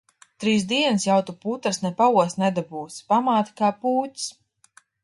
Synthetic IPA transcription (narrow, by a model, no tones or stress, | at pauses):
t̪ɾiːsd̪iɛnɨsjawt̪uput̪aɾsnɛpauɔsnɛd̪abuːspamaːt̪kaːpuːtʲs